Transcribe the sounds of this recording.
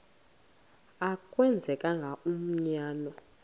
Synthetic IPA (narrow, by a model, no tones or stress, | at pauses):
akʼwɛnd͡zʱɛkʼaŋɡʱaum̩ɲaːnɔ